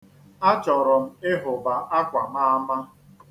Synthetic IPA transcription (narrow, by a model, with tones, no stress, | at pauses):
a˦t͡ʃɔ˨ɾʊ˨m̩˦˨ɪ˦ɦʊ˨ba˨ʔa˦kʷa˨m̩˦a˦ma˦